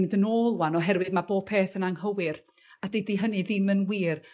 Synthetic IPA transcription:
ŋdənoːlˠwanɔɦɛrwɨðmaboːb̥̚pʰeːθənaŋhəwɪr | adediɦənɨðɪmənwiːr

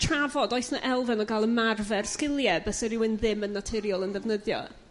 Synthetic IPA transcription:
tʰravɔdɔjθnaʔɛlˠvɛnɔɡalˠənmarvɛrskɪlˠjɛbəsɛɾɪwɪnðɪmənːatʰɪɾjɔlˠənðɛvnəðjɔ̰

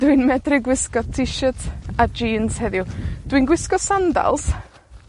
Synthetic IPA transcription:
d̥winmɛdrɪɡwɪskɔtʰɪʃətʰad͡ʒiːnshɛðɪwd̥winɡwɪskɔ̥sanda̰lˠs

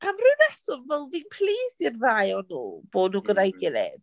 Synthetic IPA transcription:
amrʊɨnɛsɔvvɛlˠviːnpʰliːsirrajɔnṵːb̥oːdnuɡədajɡɪlɛ̰d

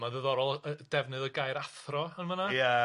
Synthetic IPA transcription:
maðəðɔɾɔlˠəd̥ɛvnɨðəɡajɾaθrɔənmənaja

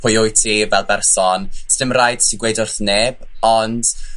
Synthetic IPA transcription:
pʰʊjʊjtʰivɛlˠbɛrsɔnsd̥ɪmrajd̥siɡwejdʊrθneːb̥ | ɔnd̥

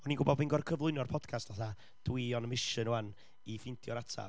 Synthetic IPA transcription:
ɔniɡʊbɔbɨnɡɔrkʰəvlˠʊɨnɔrpʰɔd̥kʰastvaθa | d̥wiɔnəmɪʃənuan | ifɪntʰjɔɾatʰa̰

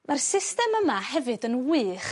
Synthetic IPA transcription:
marsɪstɛməmahɛvɨdənwɨːχ

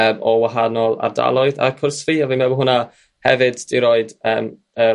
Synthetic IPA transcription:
əːmɔwaɦanɔlˠa̰rda̰lˠɔɨða̰kʰʊrsviaviːmɛbɦʊna | hɛvɨdd̥iɾoːɨdəːm | ə

